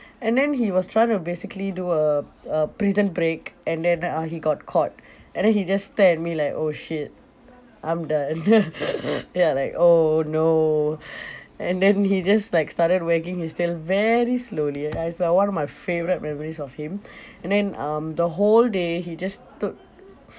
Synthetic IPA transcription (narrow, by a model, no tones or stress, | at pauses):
ɛ̃ndɛ̃nhiwɔstʰɹajɪ̃ŋtubesɪkəliduəəpɹizə̃nbɹekɛ̃ndɛ̃nʌhiɡɔt̚kʰɔt̚ | ɛ̃ndɛ̃nhid͡ʒasːtɛɛt̚milaɪkoʃit̚ | ʔãɪ̃mdãn | alaɪkono | ɛ̃ndɛ̃nhid͡ʒaslaɪkstatəd̚wəkɪ̃ŋhistilvɛɹisloliaɪsawãnɔfmaɪfevəɹit̚mɛmɔɹisɔfhĩmɛ̃ndɛ̃nʌ̃md̪əɦoldeɦid͡ʒastut̚